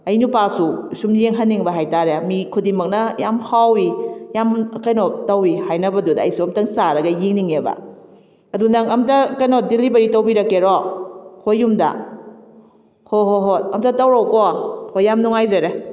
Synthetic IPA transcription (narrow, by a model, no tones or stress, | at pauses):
ɐjnupasusumjeŋɦanːiŋbɐɦajtaɾemikʰudimɐk̚nɐjamhawijamkɐjnɔtɐwihajnɐbɐdudɐːjsuɐmtɐŋsaɾɐɡɐjiŋniŋebɐ̰ | ɐdunɐŋɐmtɐkɐjnɔdilibɐɾitɐwbiɾɐkːeɾɔhojːumdɐ̰ | hoɦoɦot̚ɐmtɐtɐwɾɔwkɔhojːamnuŋajzɐɾe